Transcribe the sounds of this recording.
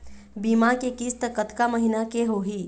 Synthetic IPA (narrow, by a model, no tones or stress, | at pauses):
bimakekist̪əkət̪kaməɦinakeɦoɦi